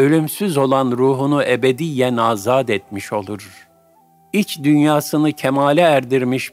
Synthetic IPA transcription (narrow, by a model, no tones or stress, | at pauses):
ø̞lʲymsyzo̞lˠanɾuːɦunuʔebed̪ijlɛnaːzaːd̪ɛt̪̚miʃo̞lˠuɾ | it͡ʃd̪ynjaːsɯnɯcʰɛmaːlʲɛːɾd̪iɾmiʃ